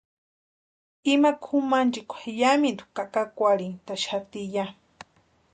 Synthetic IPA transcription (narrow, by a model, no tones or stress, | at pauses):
imakʰumant͡ʃikʷʰajamind̪u̥kakakʷaɾiŋt̪aʃat̪ija